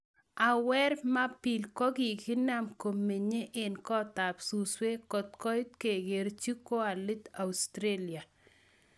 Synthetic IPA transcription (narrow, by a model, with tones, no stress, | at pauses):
a˨wɛ˦ɾma˦pi˨lkɔ˦ɡi˨ki˦na˦mko˨mːe˨ɲe˦ʔe˨nkɔ˦t̪a˨psu˨swe˦kɔ˨t̪kɔ˦jt̪̚ke˨ɡe˨ɾt͡ʃi˦ko˦a˨lɪ˦t̪a˨wst̪ɾe˦li˨a˨